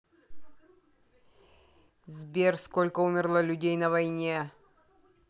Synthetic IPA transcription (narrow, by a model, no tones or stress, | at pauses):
zʲbʲerskolʲkəumʲɪrlˠəlʲʉdʲejnəvɐjnʲe